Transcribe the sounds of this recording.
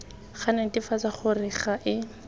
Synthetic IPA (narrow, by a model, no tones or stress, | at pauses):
χanɛtifat͡saχʊrɪχaʔɪ